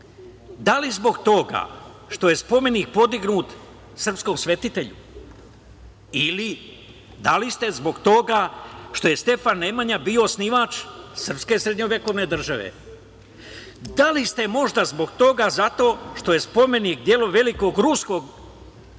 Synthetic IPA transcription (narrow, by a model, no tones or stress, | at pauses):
d̪alizbo̞ɡt̪o̞ɡa̰ | ʃt̪o̞je̞spo̞me̞nik̚po̞d̪iɡnuːt̪ | sər̩psko̞msʋe̞t̪it̪e̞ʎṵ | ili | d̪alist̪e̞zbo̞ɡt̪o̞ɡaʃt̪o̞je̞st̪e̞fanːemaɲabiosniʋat͡ʃsr̩pske̞sɾed̪ɲovʲʋjeko̞ʋne̞d̪r̩ʒaʋe̞̰ | d̪alist̪e̞mo̞ʒd̪azbo̞ɡt̪o̞ɡazat̪o̞ːʃt̪o̞je̞spo̞me̞nikd̪je̞loʋe̞liko̞ɡɾusko̞ɡ